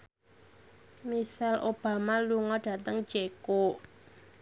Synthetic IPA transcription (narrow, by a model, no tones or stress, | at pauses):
misalʔob̥a̤maluŋɔɖ̥a̤t̪əŋ̥d͡ʒ̥eko